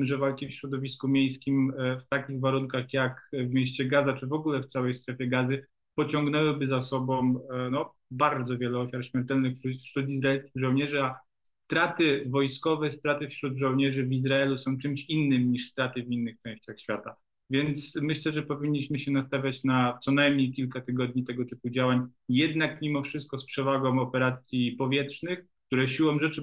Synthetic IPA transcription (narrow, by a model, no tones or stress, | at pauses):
mʐɛvalkʲifɕɾɔd̪ɔvʲiskumʲjejskʲimft̪akʲiɣvaɾuŋkaxjakvmʲjejɕt͡ɕɛɡazat͡ʂɘvɔɡulɛft̪sawɛjst̪ɾɛfʲjɛɡazɘ | pɔt͡ɕɔ̃ŋɡnɛwɘbɘzasɔbɔ̃mnɔ | baɾd̪zɔvʲjɛlɛɔfʲjaɾɕmʲjɛɾt̪ɛlnɘxfufɕɾut̪izɾaɛlskʲiɣʐɔwɲɛʐɘa | st̪ɾat̪ɘvɔjskɔvɛst̪ɾat̪ɘfɕɾud̪ʐɔwɲɛʐɘvizɾaɛlusɔ̃w̃t͡ʂɘmɕinːɘmɲiʂst̪ɾat̪ɘvinːɘxt͡ʃɛ̃w̃ɕt͡ɕaxɕfʲjat̪a | vʲjɛnt̪smɘɕlɛʐɛpɔvʲiɲːiɕmɘɕɛnast̪avʲjat͡ɕnat̪sɔnajmɲejkʲilkat̪ɘɡɔd̪̚ɲit̪ɛɡɔt̪ɘpud͡ʑawaɲjɛd̪nakmʲimɔfʂɨst̪̚kɔspʂɛvaɡɔmɔpɛɾat̪sʲjipɔvʲjɛtʂnɘxkt̪uɾɛɕiwɔmʐɛt͡ʂɘ